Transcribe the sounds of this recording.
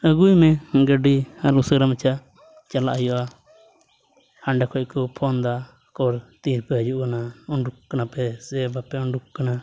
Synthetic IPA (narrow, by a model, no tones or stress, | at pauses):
əɡujmɛ̃ɡəɖihaɾusəɡɾamɛt͡ʃa | t͡ʃala̰ʔɦijɔʔa | haɳɖɛkʰɔc̚kɔpʰɔnd̪a | kɔɾt̪iɾpɛɦəd͡ʒuʔkanauɳɖukkːanapɛsɛbapɛuɳɖukkːana